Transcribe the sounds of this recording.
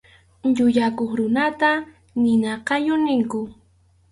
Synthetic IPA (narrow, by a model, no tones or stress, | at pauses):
ʎʊʎakoχɾʊnat̪a | nɪnɑqɑjʊnɪŋkʊ